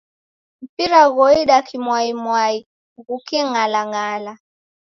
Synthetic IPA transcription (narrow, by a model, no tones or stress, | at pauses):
m̩piɾaɣɔiɗakʰimwaimwai | ɣukʰɛŋalaŋaːla